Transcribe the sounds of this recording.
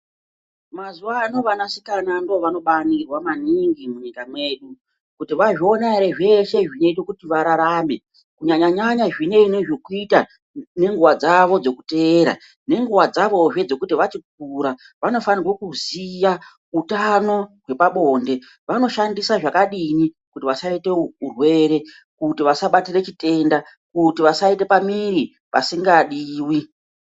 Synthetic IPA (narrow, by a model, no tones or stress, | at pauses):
mazuano̞ʋanasikanando̞ʋano̞ɓanirwamaniŋɡimuɲikamwe̞ɗu | kutiʋaʐio̞naɾeʐe̞ʃe̞ʐino̞it̬okutiʋaɾaɾaːme̞ | kuɲaɲaɲaɲaʐine̞ineʐokuita | ne̞ŋɡuʋad͡zaʋo̞d͡zo̞ku̥te̞ːɾa̰ | ne̞ŋɡuʋad͡zaʋo̞ʐe̞d͡zo̞kutiʋat͡ʃik̚uɾa | ʋano̞fanirwokuzija | utano̞we̞paɓo̞nde̞ | ʋano̞ʃandisaʐakaɗini | kutiʋasaite̞urwe̞ɾe̞ | kutiʋasaɓatire̞t͡ʃite̞nda | kutiʋasaite̞pamiɾi | pasiŋɡaɗiːwi